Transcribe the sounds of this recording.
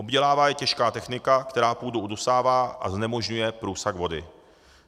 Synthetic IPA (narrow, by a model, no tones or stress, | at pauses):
ʔo̞bɟɛlaːvaːjɛcɛʃkaːt̪ɛxnɪkakt̪ɛɾaːpuːduʔudosaːvaːʔa̰znɛmo̞ʒɲujɛpɾuːsaɡvo̞dɪ̰